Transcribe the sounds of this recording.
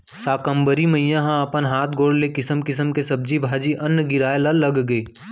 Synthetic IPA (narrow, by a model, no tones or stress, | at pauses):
saːkə̃mbəɾiməijãɦãəpənɦaːt̪ʰɡoːɽlekɪsəmkɪsəmkesɐb̚d͡ʒibʱaːd͡ʒiʔɐnːɡɪɾaːelalɐɡɡeː